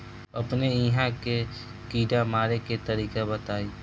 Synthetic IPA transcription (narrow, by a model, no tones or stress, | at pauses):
ɐpneiːɦãke | kiːɖamaːɾeket̪ɐɾiːkabət̪aːiː